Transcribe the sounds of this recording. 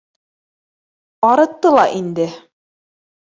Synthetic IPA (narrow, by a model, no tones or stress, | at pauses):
pɑɾɤ̆t̪ːɤlˠɑʔind̪ɘ